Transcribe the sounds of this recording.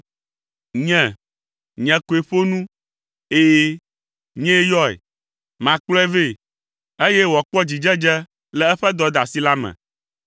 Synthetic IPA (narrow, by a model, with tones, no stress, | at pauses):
ɲɛ̃˨ | ɲɛ̃˨ko˨e˨ɸo˦nũ˦ | eː˦ | ɲɛ̃˦e˦jɔ˦ḛ˨ | mã˨k͡plɔ˦ɛ˦ve˦˨ | e˦je˦wɔ˨k͡pɔ˦d͡ʑi˨d͡ʒɛ˦d͡ʒɛ˦ | lɛ˦ɛ˦ɸɛ˦d̪ɔ˦d̪a˨si˦la˦mɛ̰̃˨